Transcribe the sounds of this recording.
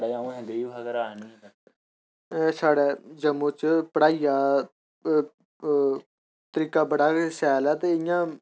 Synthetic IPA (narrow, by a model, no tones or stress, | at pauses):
ɽeːaũːɦɛ̃nd̪ɾiːbaɡəɾaːnĩː | saːɽɛːd͡ʒəmːõːt͡ʃpəɽaːijaː | t̪əɾiːkaːbəɽaːsɛːlɛːt̪eɪjãː